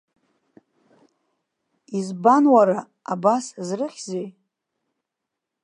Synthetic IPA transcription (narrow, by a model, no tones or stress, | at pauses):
izbanwaɾa | abaszrɨχʲzej